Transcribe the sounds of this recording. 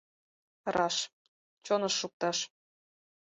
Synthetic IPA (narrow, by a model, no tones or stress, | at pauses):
rɑʃ | t͡ɕonɤ̆ʃːuk̚t̪ɑʃ